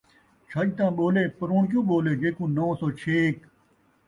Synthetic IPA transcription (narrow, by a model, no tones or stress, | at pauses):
t͡ʃʰəʄt̪ãːɓoːleːpəɾoːɳk̬jõːɓoːleːd͡ʒeːkũːnoːsoːt͡ʃʰeːk